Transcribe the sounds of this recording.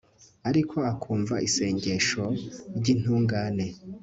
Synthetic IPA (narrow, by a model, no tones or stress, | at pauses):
aɾikʰo̞akʰuːɱvaʔise̞ːɲɟe̞ʃo̞ɾɟiːn̥huːŋɡaːne̞